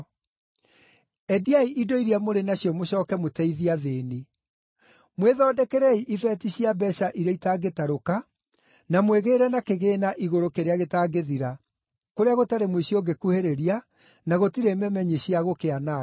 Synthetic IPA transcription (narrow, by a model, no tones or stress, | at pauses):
ɛdiaiʔidoiɾiamoɾenaɕjɔmoɕɔːkɛmotɛiðiaðeːni | mweðɔdɛkɛɾɛiʔifɛtiɕiabɛɕaʔiɾeitaɡetaɾoka | namweɣeːɾɛnakeɣeːnaʔiɣoɾokeɾeaɣetaːɡeðiɾa | koɾeaɣotaɾemweɕioɡekuheɾeɾia | naɣotiɾemɛmɛɲeɕiaɣokeana